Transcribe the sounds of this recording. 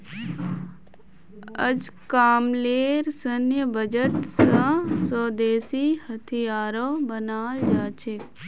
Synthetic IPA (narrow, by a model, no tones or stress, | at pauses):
ə̰d͡ʒkaːmleːɾsənjəbəd͡ʒəʈsə̃soːd̪eːsiːhɐt̪ʰijaːɾoːbənaːld͡ʒaːt͡ʃek